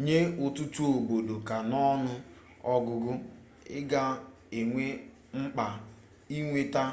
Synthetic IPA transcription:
ɲe˦ʊ˨tu˦tu˦o˨ɡ͡bo˨do˨ka˨nɔ˦nʊ˦ | ɔ˦ɡʊ˨ɡʊ˦ | ɪ̰˦ɡa˦ | e˨ŋʷe˦ | ŋ͡m̩˦k͡pa˨ | i˦ŋʷe˦ta˦

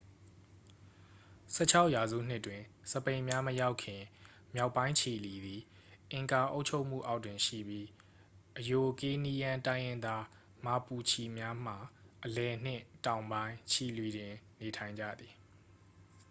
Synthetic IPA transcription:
sʰɛ̰˦t͡ɕʰa˦ʊʔja˨zṵ˦˨n̥ɪ˦˨tːwɪ̃˨səpẽ˨ɪ̃mja˦məja˦ʊkʰːɪ̃˨ | mja˦ʊpːã˦ɪ̃ɲt͡ɕʰi˨li˨d̪i˨ | ʔɪ̃˨ŋka˨ʔo̰˦ʊt͡ɕʰo˦ʊʔm̥ṵ˦˨ʔa˦ʊtwɪ̃˨ʃḭ˦˨bji˦ | ʔəjo˨ke˦ni˦jã˦tã˦ɪ̃jɪ̃˦nd̪a˦ | ma˨pu˨t͡ɕʰi˨mja˦m̥a˨ʔəlɛ˨n̥ɪ̰̃˦˨tã˨ʊ̃mbã˦ɪ̃t͡ɕʰi˨lwi˨ɾɪ̃˨ | ne˨tʰã˨ɪ̃ɲd͡ʑa̰˦˨d̪ði˨

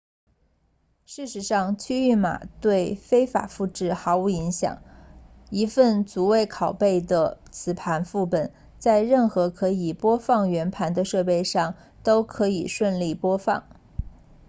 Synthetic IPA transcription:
ʂɻ̩˥˩ʂɻ̩˧˥ʂɑ˥˧ŋt͡ɕʰy˥y˥˩ma̰˨˩t̪we˥˩ɪfe˥ɪfa̰˨˩fu˥˧ʈ͡ʂɻ̩˥˩xɑ˧˥ʊu˧˥i˧˥ŋɕjɑ̰˨˩˦ŋ | i˧˥fə˥˩nt͡su˧˥we˥˩ɪkʰɑ˨˩ʊpe˥˩ɪd̪ə˩t͡sʰɹ̩˨˩pʰa˧˥nfu˥˩pə˨˩n | t͡sa˥˧ɪɻə˥˩nxɤ˧˥kʰɤ˧˥i˨˩pwɔ˥fɑ˥˩ŋɥɛ˧˥npʰa˧˥nd̪ə˧ʂɤ˥˧pe˥˧ɪʂɑ˥˩ŋ | t̪o˥ʊkʰɤ˧˥i˨˩ʂwə˥˧nli˥˩pwɔ˥fɑ˥˩ŋ

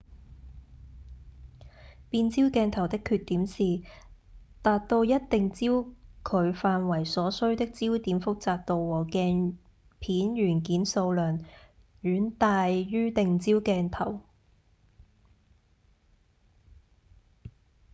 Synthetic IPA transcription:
piː˧nt͡siː˥wkɛː˧nt̪ʰɐ˨˩wt̪ɪ˥kʰːyː˧t̚t̪iː˨˥msiː˨ | t̪aː˨t̚t̪o˧wjɐ˥t̚t̪ɪ˨ŋt͡siː˥wkʰɵ˨˧ɥfaː˧nwɐ˨˩jsɔː˨˧˥sɵ˥ɥt̪ɪ˥k̚t͡siː˥wt̪iː˨˥mfʊ˥k̚t͡saː˧k̚t̪o˧wwɔː˨˩kɛː˧n | pʰiː˨˥nɥyː˨˩nkiː˨˥nso˧wlœː˨˩n | ɥyː˨˥nt̪aː˧jɥyː˥t̪ɪ˨ŋt͡siː˥wkɛː˧nt̪ʰɐ˨˩w

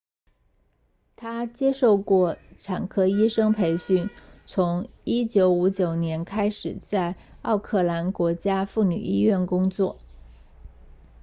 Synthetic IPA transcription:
t̪ʰa˥t͡ɕjɛ˥ʂo˥˧ʊkwɔ˥˩ʈ͡ʂʰa˨˩ŋkʰɤ˥i˥ʂɤ˥ŋpʰe˧˥ɪɕy˥˩nt͡sʰʊ˧˥ŋi˥t͡ɕjo˧˥ʊu˧˥t͡ɕjo˨˩ʊnjɛ˧˥nkʰa˥ɪʂɻ̩˨˩t͡sa˥˧ɪ | ɑ˥˧ʊkʰɤ˥˩la˧˥nkwɔ˧˥t͡ɕja˥fu˥˩ny̰˨˩i˥ɥɛ˥˩nkʊ˥ŋt͡swɔ˥˩

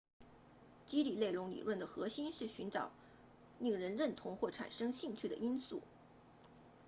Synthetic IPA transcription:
t͡ɕi˥li˨˩le˥˩ɪlʊ˧˥ŋlḭ˨˩ɻwə˥˩nd̪ə˩xɤ˧˥ɕi˥nʂɻ̩˥˩ɕy˧˥nʈ͡ʂɑ˨˩˦ʊ | li˥˩ŋɻə˧˥nɻə˥˩nt̪ʰʊ˧˥ŋxwɔ˥˩ʈ͡ʂʰa̰˨˩nʂɤ˥ŋɕi˥˧ŋt͡ɕʰy˥˩d̪ə̰˩ʔi˥nsu˥˩

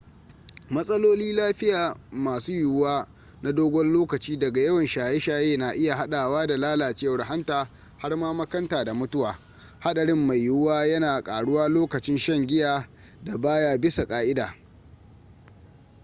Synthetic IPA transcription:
mɐ˦sʼɐ˦loː˦liː˦laː˦ɸɪ˦jaː˨maː˨suː˦jʊ˨waː˦ | na˦doː˦ɡʷɔ˦nloː˦kɐ˨t͡ʃiː˦dɐ˨ɡa˨jɐ˦wɐ˨nʃaː˨je˦ʃaː˦jeː˦na˨ʔɪ˦ja˨ɦa˦ɗaː˨waː˦da˨laː˦laː˨t͡ʃeː˦wɐ˦ɽɦa˦ntaː˨ | ha˦rmaː˦mɐ˦kɐ˦ntaː˨da˨mʊ˦tʊ˦waː˨ | ha˦ɗɐ˨ɽɪ˦mːa˨jːʊ˦waː˦jɐ˦naː˨kʼaː˨ɽʊ˦waː˦loː˦kɐ˨t͡ʃɪ˦nʃɐ˦ŋɡʲɪ˦jaː˨ | da˨baː˦jaː˦bɪ˦sa˨kʼaː˦ʔɪ˦daː˨

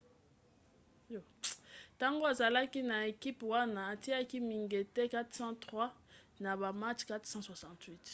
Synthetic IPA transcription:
ta˦ŋɡo˦a˨za˨la˦ki˦na˨e˨ki˦pwa˦naː˨ti˦a˦ki˦mi˨ŋɡe˨tɛ˦ka˦t̪sã˦twa˦ | na˨ba˨ma˦t͡ʃka˦tsɑ̃˦swa˨sɑ̃˦twi˦t

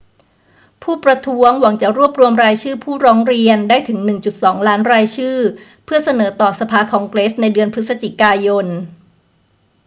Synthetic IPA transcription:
pʰuː˥˩pɾa˧t̪ʰu˦˥əŋwa˩˦ŋt͡ɕa˨˩ɾu˥˩əp̚ɾu˧əmɾaː˧jt͡ɕʰɯː˥˩pʰuː˥˩ɾɔː˦˥ŋɾi˧əndaː˥˩jt̪ʰɯ˩˦ŋnɯ˨˩ŋt͡ɕu˨˩t̪̚sɔː˩˦ŋlaː˦˥nɾaː˧jt͡ɕʰɯː˥˩ | pʰɯ˥˩ɐsa˧nɤː˩˦t̪ɔː˨˩sa˧pʰaː˧kʰɔː˩˦ŋkleː˦˥s̚na˧jdɯ˧ənpʰɾɯ˦˥t̪̚sa˧t͡ɕi˨˩kaː˧jo˧n

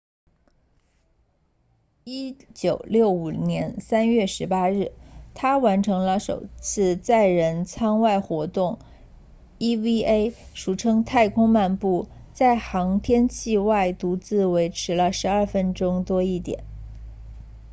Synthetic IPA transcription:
i˥t͡ɕjo˨˩ʊljo˥˩ʊu˨˩njɛ˧˥nsa˥nɥɛ˥˩ʂɻ̩˧˥pa˥ɻɻ̩˥˩t̪ʰa˥wa˧˥nʈ͡ʂʰɤ˧˥ŋlə˧ʂo̰˨˩ʊt͡sʰɹ̩˥˧t͡sa˥˩ɪɻə˧˥nt͡sʰɑ˥ŋwa˥˩ɪxwɔ˧˥t̪ʊ˥˩ŋ | i˥wi˥e˥ɪʂu˨˩ʈ͡ʂʰɤ˥ŋt̪ʰa˥˩ɪkʰʊ˥ŋma˥˧npu˥˩ | t͡sa˥˩ɪxɑ˧˥ŋt̪ʰjɛ˥nt͡ɕʰi˥˧wa˥˩ɪt̪u˧˥t͡sɹ̩˥˩we˧˥ɪʈ͡ʂʰɻ̩˧˥lə˧ʂɻ̩˧˥ɐ˞˥˩fə˥nʈ͡ʂʊ˥ŋt̪wɔ˥i˥˩t̪jɛ̰˨˩˦n

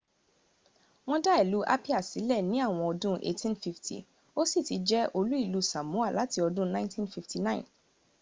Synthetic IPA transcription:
w̃ɔ̃˦da˦ɛ˨lu˨˦ʔa̰˦pi˦a˦˨si˨˦lɛ˦˨nĩ˦a˦˨w̃ɔ̃˧ɔ˧dũ˦ʔḛ˦tʰĩ˦nfi˧˦ftʰḭ˨ | o˦si˦˨ti˨˦d͡ʒɛ˦ʔo˧lu˦i˦˨lu˦sa˨mũ˨˦a˦˨la˨˦ti˧˦ɔ˧dũ˦nã˦ɪ̃˦ntʰĩ˦nfi˧fti˨nã˦ḭ̃˨n

